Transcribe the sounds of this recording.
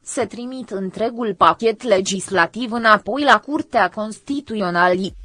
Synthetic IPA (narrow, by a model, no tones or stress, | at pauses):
se̞t̪ɾimit̪ɨnt̪ɾe̞ɡulpakʲe̞t̪le̞d͡ʒislat̪ivɨnapo̞jlakurt̪eako̞nst̪it̪uo̞nali